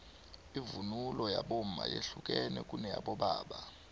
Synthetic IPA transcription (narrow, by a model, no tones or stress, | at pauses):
ivunulɔjaɓom̩a̰jeɬuk̬ʼɛnɛ̰k̬ʼunɛjaɓɔɓaːɓa